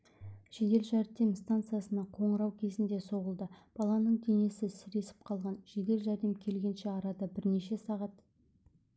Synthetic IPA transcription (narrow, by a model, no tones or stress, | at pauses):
ʒ̥ed̪e̞lʒæɾd̪e̞mst̪ant̪sɨjasənɑqʰo̞ɴəɾɑwkʲʰe̞zɪnd̪e̞so̞ʁəlˠd̪əb̥ɑlˠɑnəɴd̪e̞ne̞sɪsɪɾe̞sɪ̥p̚qʰɑlˠʁɑnʒed̪e̞lʒæɾd̪e̞mkʲʰe̞lɡʲe̞nʃe̞ɑɾɑd̪ɑbɪɾne̞ʃe̞sɑʁɑt̪